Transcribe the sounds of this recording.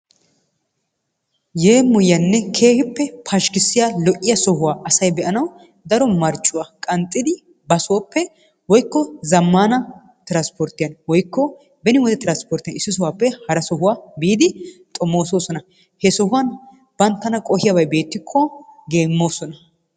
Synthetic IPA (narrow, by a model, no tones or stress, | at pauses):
je̞ːmʊjːɐnːɛkʰe̞ːhɪpːɛpʰɐʃkɪsːɪjalɔʔɪjɐsɔhʊwaːʔɐsɐjbɛʔɐnɐw | d̪ɐɾɔmɐɾt͡ʃʼːʊwaːkʼɐnt̪ʼːɪd̪ɪ | bɐsʊwɐpːɛ | wɔjkːɔzɐmːaːnɐ | t̪ɪɾanspɔɾt̪ːɪjɐnwɔjkːɔ | bɛnɪwɔd̪ɛt̪ɪɾanspɔɾt̪ɪjɐnɪsːɪsʊwaːpːɛhɐɾɐsɔɦʊwaːbiːd̪ɪt̪ʼɔmːoːsoːsɔnɐ | hɛsɔhʊwɐn | b̥ɐnt̪ːɐnɐkʼɔhɪjabɐjbe̞ːt̪ːɪkʰːɔɡe̞ːmːoːsɔnɐ